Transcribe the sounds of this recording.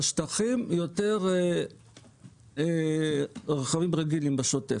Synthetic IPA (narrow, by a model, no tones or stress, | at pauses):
aʃt̪aχimjot̪eʁ | ʁaχavimʁeɡilimbaʃotef